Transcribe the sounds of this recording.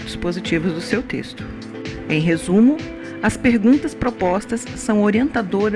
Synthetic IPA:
t̪ʊ̥spozit͡ʃivʊzd̪ʊsewt̪ḛst̪ʊ̥ | ẽj̃ɦezũmʊ | ɐspeɾɡũnt̪ɐspɾopɔst̪ɐsːɐ̃w̃oɾiẽnt̪ad̪oɾ

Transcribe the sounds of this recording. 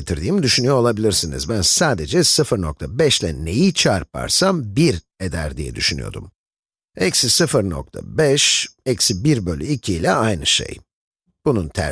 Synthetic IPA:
et̪ʰiɾd̪iːmid̪yʃynyjoolˠabilʲiɾsinḭzbænsaːd̪e̞d͡ʒɛsɯfɯɾno̞k̚t̪ʰabɛʃlʲɛne̞jit͡ʃʰaɾpa̰ɾsambiɾ | ed̪æɾd̪ijɛ̰d̪yʃyny̰jo̞̰d̪ṵm | ɛcsisɯfɯɾno̞̰k̚t̪ʰa̰bɛʃɛcsibiɾbø̞lʲyicʰiːlʲɛajnɯʃḛj | b̥ununt̪ʰæ̰

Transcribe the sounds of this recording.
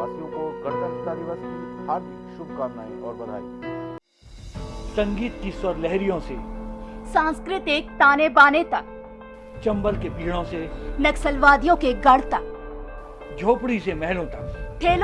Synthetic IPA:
aːsijõkoɡɐɾt̪akt̪anɪʋaːskihaːɾt̪ɪkʃʊb̚kaːɾna̰ːiɔːɾbɐɾ̤a̰ːḭː | sɐ̃ŋɡiːt̪kiswɐɾlɛɦɾijõsesãːnskɾɪt̪ek̚t̪aːnebaːnet̪a | t͡ʃɐ̃mbəlkebiːɦɽõselɐksəlʋaːd̪ijõkeɡɐɽt̪a | d͡ʒʱoːpɽisemɛɦlõt̪akt̪ʰeːl

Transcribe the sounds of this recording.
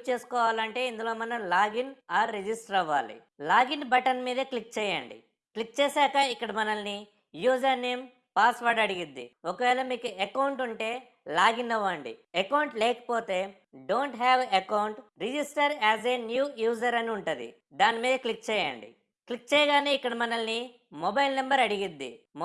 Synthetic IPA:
t͡ʃeːsu̥kɔːʋaːlɐɳʈe̞ːind̪ulo̞ːmɐnɐmlaːɡinaːɾːid͡ʒisʈɾɐʋːa̰ːlḭ | laːɡinbɐʈɐnmiːd̪ɐklik̚t͡ʃɛːjaɳɖḭ | klik̚t͡ʃeːsaːkɐikːɐɽɐmɐnɐlni | juːd͡ʒɐɾneːm | paːsʋɐɾɖɐɽiɡind̪ːḭɔkɐʋɛːlɐmiːkuekɐwuɳʈuɳʈe̞ː | laːɡind̪ɐʋːaːɳɖḭekɐwɳʈleːkɐ̥poːt̪e̞ː | ɖoːɳʈɦɛːʋɐkɐwɳʈɾid͡ʒisʈɐɾɛːzenjuːjuːd͡ʒɐɾɐniuɳʈɐd̪ḭ | d̪aːnimiːd̪ɐklik̚t͡ʃɛːja̰ɳɖḭ | klik̚t͡ʃɛːjɐɡaːneːikːɐɽɐmɐnɐlni | mobɐjlnɐmbɐɾɐɽiɡid̪ːḭ

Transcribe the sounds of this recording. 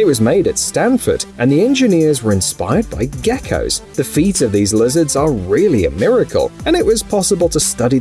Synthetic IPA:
ɨt̚wʌzmeɪɾɨtstæ̃nfə̰˞ɾʔɨ̃nðiɛ̃nd͡ʒɨnɪɹzwə˞ɨ̃nspa̰ɪə˞d̚baɪɡɛkʰo̰ʊz̥ðɨfiˑtsʌvðizlɪzə˞dzə˞ɹɪlˠiɨ̰mɪɹɨkʰə̰lˠɨ̃ñɨʔwʌz̥pʰɑsəbəlˠtʰəstʌɾi

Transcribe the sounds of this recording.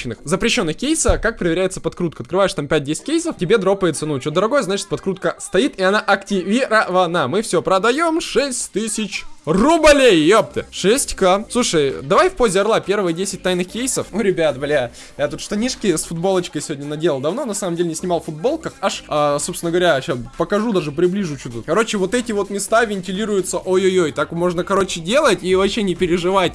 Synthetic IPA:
ɪnːɨxzəpɾʲɪɕːo̞nːɨxkʲejsəkak̚pɾəɪɪɾʲæjɪt̪səpɐt̪kɾut̪kəɐt̪kɾɨvajɪʂt̪ampʲæt̚ʲdʲesʲɪ̥t̚ʲkʲejsəftʲɪbʲe̞d̪ɾopəjɪt̪sənut͡ɕod̪əɾɐɡo̞jəznat͡ɕɪt̪̚pɐt̪kɾut̪kəst̪ɐit̪iɐnaʔɐktʲɪvʲiɾəvɐnamɨfsʲopɾəd̪ɐjo̞mʂɛsʲtʲt̪ɨsʲɪt͡ɕrʊblʲejːop̚t̪ɨʂɛsʲtʲkasˠuʂəjd̪ɐvajfpozʲɪɐrlˠapʲe̞ɾvɨjədʲesʲɪt̚ʲt̪ajnɨxkʲejsəfoɾʲɪbʲat̪̚blʲa | jat̪ut̪ʂt̪ɐnʲiʂkʲɪsfʊd̪bo̞lˠət͡ɕkəjsʲɪvʲodʲnʲənɐdʲeləlˠd̪ɐvnonɐsaməmdʲelʲɪnʲɪsʲnʲɪmɑlˠfʊd̪̚bo̞lˠkəxaʂaso̞psʲɪnəɡəvɐɾʲaɕaspəkɐʐud̪aʐɨpɾʲɪblʲiʐʊt͡ɕut̪əkɐɾo̞t͡ɕɪvo̞t̪ɛtʲɪvo̞t̪mʲɪst̪avʲɪnʲtʲɪlʲiɾʊjʊt̪səʔojojojt̪akmo̞ʐnəkɐɾo̞t͡ɕɪdʲelˠətʲivɐpɕːenʲɪpʲɪɾʲɪʐɨvatʲ

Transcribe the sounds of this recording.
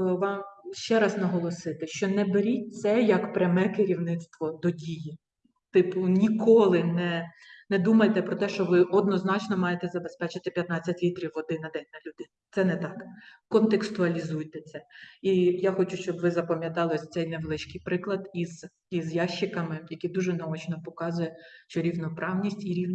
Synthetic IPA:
ʋɑmʃt͡ʃɛɾɑznɐɦɔlˠɔsɪt̪ɪʃt͡ʃɔnɛbeɾʲit̚ʲt̪sɛjɐkpɾʲɐmɛkɪɾʲiwnɪt̪st̪ʋɔd̪ɔdʲiji | t̪ɪpʊnʲikɔlˠɪnɛ | nɛd̪umɐjt̪ɛpɾɔt̪ɛʃt͡ʃɔʋɪʔɔd̪̚nɔznɑt͡ʃnɔmɑjet̪ɛzɐbespɛt͡ʃɪt̪ɪpʲjɐt̪nɑt͡sʲːɐtʲlʲit̪ɾʲiwɔd̪ɪnɐd̪ɛnʲnɐlʲud̪ɪnt̪sɛnɛt̪ɑk | kɔnt̪ekst̪ʊɐlʲizujt̪ɛt̪sʲɛijaxɔt͡ʃʊʃt͡ʃɔbʋɪzɐpɐmʲjɐt̪ɑlˠɔsʲt̪sɛjneʋlˠɪʃkɪjpɾɪklˠɐd̪iz | izjɑʃːɪkɐmɪjɐkʲid̪uʒɛnɐɔt͡ʃnɔpɔkɑzʊjɛʃt͡ʃɔɾʲiwnɔpɾʔɑwnʲisʲtʲiɾʲiwn

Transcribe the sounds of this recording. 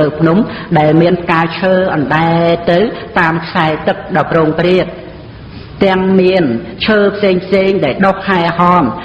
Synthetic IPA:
əwpʰnumɗaɛlmiənkaːt͡ɕʰəːʔɑnɗaɛt̪ɨwt̪aːmkʰsaɛt̪ɨk̚ɗɑwproːŋpriət̪̚ | t̪ɛ̆əŋmiənt͡ɕʰəːpʰseːŋpʰseːŋɗaɛlɗohhaɛhɑːm

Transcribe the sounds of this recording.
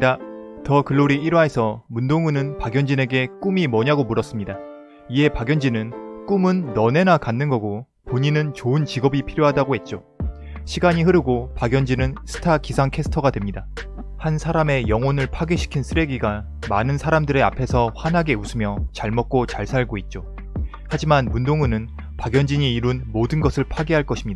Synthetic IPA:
atʌkɯɭːoɾiiɾwaɦesʰʌmundoŋunɯnpaɡjʌnd͡ʑine̞ɡe̞k͈umimʌɲaɡomuɾʌs͈ɯmɲida | ie̞paɡjʌnd͡ʑinɯnk͈umɯnːʌne̞nakanːɯnɡʌɡo | poɲinɯnt͡ɕoɯnt͡ɕiɡʌbipʰiɾjoɦadaɡoɦe̞t̚t͡ɕ͈o | ɕʰiɡaɲiɦɯɾɯɡopaɡjʌnd͡ʑinɯnsʰɯ̥tʰakisʰaŋkʰe̞sʰɯ̥tʰʌɡadwemɲidahansʰaɾame̞jʌŋonɯɭpʰaɡeɕʰi̥kʰinsʰɯɾe̞ɡiɡa | manɯnsʰaɾamdɯɾe̞a̰pʰe̞sʰʌɸwanɦaɡe̞usʰɯmjʌt͡ɕaɭmʌt̚k͈ot͡ɕaɭsʰaɭɡoit̚t͡ɕ͈o | had͡ʑimanmundoŋɯnɯn | paɡjʌnd͡ʑiɲiːɾunmodɯnɡʌsʰɯɭpʰaɡeɦaɭk͈ʌɕʰimɲida

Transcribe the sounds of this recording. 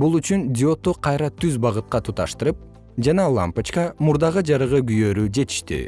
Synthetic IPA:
bulˠyt͡ʃynd̪ʲɪo̞t̪oqʰɑjɾɑt̪ʰyzbɑʁɯt̪̚qɑt̪ʰut̪ɑʃt̪ɯɾɯp̚ | d͡ʒɑnɑlˠa̰mpat͡ʃkɑmuɾd̪ɑʁɯd͡ʒɑɾɯʁɯɡyjøːɾyd͡ʒe̞t̪i̥ʃt̪ḭ

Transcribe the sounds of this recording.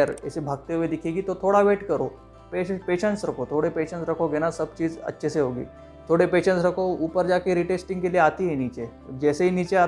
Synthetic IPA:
əɾḛsebʱaɡ̚t̪eʋed̪ikʰikiːt̪ot̪ʰoɽaʋeʈkəɾo | pepeɕəɳʈsɾəkʰot̪ʰoɽepeɕəɳsɾəkʰoɡʱeɽ̃aɾsəb̚t͡ɕiːd͡zə̰tːɕʰeseɦoɡḭː | t̪ʰoɽepeɕəɳsɾəkʰoupəɾd͡ʑakẽɾiʈesʈĩŋɡkeliat̪ienit͡ɕe | d͡ʑɛseinit͡ɕea

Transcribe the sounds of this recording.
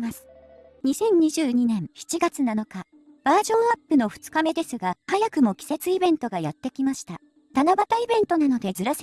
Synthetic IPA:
masɨ̥ | ɲ̟isẽ̞ɲ̟ɲːiʑɨːɲ̟inẽ̞ɰ̃çi̥t͡ɕiɡat͡sɨnano̞ka | b̥aːʑõ̞ɰ̃apːɯ̟no̞ɸɯ̟̥t͡sɨ̥kame̞d̪e̞sɨɡahajakɯ̟mo̞kʲi̥se̞t͡sɨibẽ̞nt̪o̞ɡajat̪ːe̞kʲimaɕi̥t̪a | t̪anabat̪aibẽ̞nt̪o̞nano̞d̪e̞zɨɾase

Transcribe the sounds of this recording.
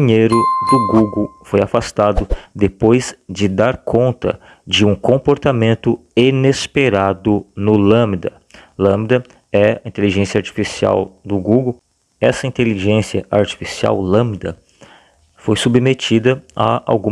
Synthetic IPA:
iɲejɾʊd̪ʊɡuɡowfojafast̪ad̪ʊd̪epojzd͡ʒɪd̪aɾkʰõnt̪ɐ̰ | d͡ʒɪũkõpoɾt̪amẽnt̪ʊenespeɾad̪ʊnʊlɐ̃md̪ɐ | lɐ̃md̪ɐ | ɛɐĩt̪eliʒẽsjɐaɾt͡ʃi̥fisia̰wd̪ʊɡuɡow | ɛsɐĩnt̪eliʒẽsiɐʔaɾt͡ʃi̥fisia̰wlɐ̃md̪ɐ | fojsubmet͡ʃid̪ɐɐ̰a̰wɡũ

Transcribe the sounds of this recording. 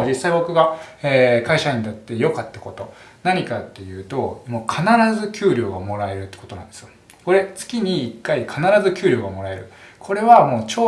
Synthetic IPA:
d͡ʑisːaibo̞kɯ̟ɡaeːkaiɕaɲ̟inat̪ːe̞jo̞kat̪ːako̞t̪o̞ | naɲ̟ikat̪ːe̞jɯ̟ːt̪o̞moːkʰanaɾazɨkʲɨːɾʲo̞ːɡamo̞ɾae̞ɾɯ̟t̪ːe̥ko̞t̪o̞nã̰nd̪e̞sɨjo | ko̞ɾe̞t͡sɨ̥kʲiɲ̟iːkːaikʰanaɾazɨkʲɨːɾʲo̞ːɡamo̞ɾae̞ɾɯ̟kʰo̞ɾe̞βamo̞ːt͡ɕoː

